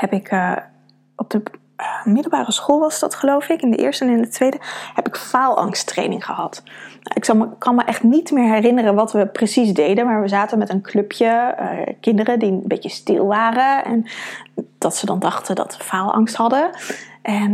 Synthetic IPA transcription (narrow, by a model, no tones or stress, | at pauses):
ɦɛpɪk | ɔb̚d̥ə | mɪdəl̩ˠbaːrəsχolˠʋɑsdɑtχəlowfɪkɪndə̰ʔɪ̰ːɹstəɛnɪndətʋejdəhɛpɪkfaːlˠɑ̰ŋstrḛjnɪŋχəɦɑtna̰ʔɪksɑlˠməkɑlˠməʔɛχtnitmɪːɹɦɛrɪnərənʋɑtʋəprəsizdejdənmaːɹʋəzaːtənmɛtənklɵpʰjəə̰kɪndərədibejcəstɪ̰lˠʋaːrəɛ̰n | d̥ɑtsədɑndɑχtədɑ̰tsəfaːlˠɑ̰ŋstɦɑdəʔɛn